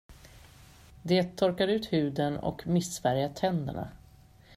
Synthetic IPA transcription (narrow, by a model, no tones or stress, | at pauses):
d̪eːt̪ʰːɔɾkaɾʉ̟ːt̪hʉ̟ːd̪ənɔ̰kmɪsfæɾjat̪ʰɛnd̪ə̰ɳa̰